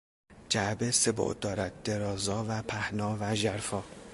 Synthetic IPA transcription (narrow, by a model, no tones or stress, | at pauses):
d͡ʒæbesebo̰ʔd̪ɒːɾæd̪̚d̪eɾɒːzɒːvæpʰæhnɒːvæʒæɾfɒː